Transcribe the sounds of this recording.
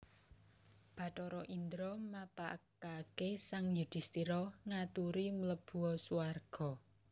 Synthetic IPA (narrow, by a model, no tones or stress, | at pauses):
b̥ä̤ʈɔɾɔʔind̪ɾɔmapakakesaŋjud̪̥i̤st̪iɾɔŋat̪uɾimələb̥ṳɔsuarɡ̥ɔ̤